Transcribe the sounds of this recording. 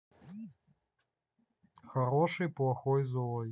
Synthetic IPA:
xaɾɔʂɨjplˠaxɔjzɔj

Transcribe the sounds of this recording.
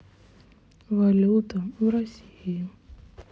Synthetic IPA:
valʲut̪aɾasʲi

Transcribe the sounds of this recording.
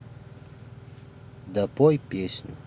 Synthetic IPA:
d̪apojpesɲu

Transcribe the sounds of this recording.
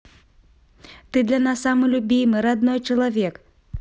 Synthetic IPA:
t̪ɨd̪lʲanasːamɨlʲubʲijmɨɾad̪nɔjt͡ʃɐlˠɐvʲɛk

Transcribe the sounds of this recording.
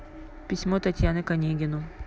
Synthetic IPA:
pʲɪsʲmot̪ɐt̪ʲjanɨkɐnʲeɡʲɪnʊ

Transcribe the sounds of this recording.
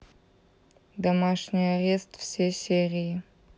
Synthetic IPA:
d̪amaʂnʲɪjaɾʲe̞st̪fsʲejsʲerʲiji

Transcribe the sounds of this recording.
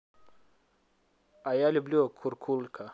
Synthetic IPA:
ajalʲublʲuokʰuɾkʰulkʰa

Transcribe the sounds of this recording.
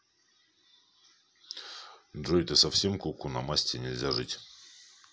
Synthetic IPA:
ɪnd̪ɾoɪt̪ɨsɐfsʲe̞mkukunɐmasʲtʲɪnʲɪlʲzʲaʐɨtʲ

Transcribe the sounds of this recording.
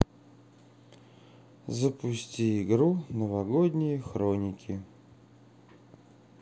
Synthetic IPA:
zəpʊsʲtʲiɪɡɾunəvɐɡod̪ʲnʲɪjəxɾonʲɪkʲʰɪ

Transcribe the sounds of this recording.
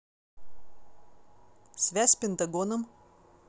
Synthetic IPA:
sʲʋʲæsʲpʲɪnt̪ɐɡonɐm

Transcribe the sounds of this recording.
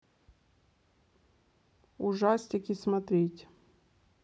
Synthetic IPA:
ʊʐasʲt̪ʲɪkʲismɐt̪ɾʲetʲ

